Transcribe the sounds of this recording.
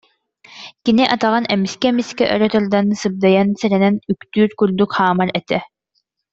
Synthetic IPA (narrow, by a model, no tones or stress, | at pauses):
kiniʔat̪aʁanɛmiskɛmiskɛʔœ̰ɾœt̪œɾd̪ansɯb̚d̪ajansɛɾɛnɛnykt̪yːɾkyɾd̪ykhaːmaɾɛt̪ɛ